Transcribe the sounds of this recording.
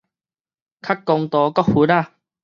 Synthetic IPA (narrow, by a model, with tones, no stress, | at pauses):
kʰa˥kːɔ˧ŋt̪ɔː˨˧kɔ˥huː˨˦na˦˧˨